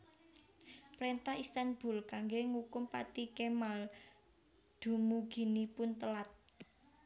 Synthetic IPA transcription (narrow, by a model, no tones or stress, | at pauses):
pɾent̪ahist̪anb̥ʊ̤lkaŋɡeŋukʊmpa̰t̪ikemal | d̪̥ṳmuɡ̥i̤nipʊnt̪əlat̪̚